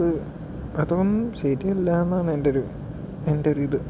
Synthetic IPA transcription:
ðɨ | ɐðoɣonːumɕeɾielːaːnːaːɳɨendeoɾu | enderiːðɨ

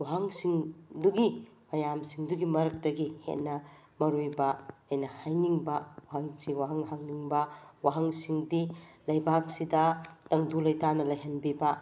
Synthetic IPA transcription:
waɦaŋsiŋduɡi | mɐjamsiŋduɡimɐɾɐk̚tɐɡihḛt̚nɐ | mɐɾujbɐɐjnɐhajniŋbɐwaɦaŋsiwaɦɐŋɦaŋniŋbɐwaɦɐŋsiŋdilɐjbak̚sidɐtɐŋdulɐjtanɐlɐjɦɐnbibɐ

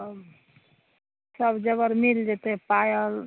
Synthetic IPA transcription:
səbd͡ʒəɡəɾmild͡ʒet̪epajəl

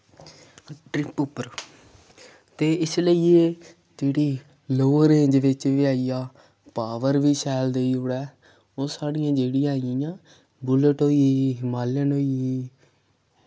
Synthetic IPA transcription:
ʈɾɪpʊpːəɾ | t̪eːɪsləiːeː | d͡ʒeːɽiː | loːəɾẽːɲd͡ʒʋɪt͡ʃʋɪaːiːjaː | paːʋəɾʋiːsɛːld̪eːiːoɽɛː | oːsaːɽijãːd͡ʒeːɽĩːaːɪjĩjãː | bʊləʈɦoːiːmaːlənoːii

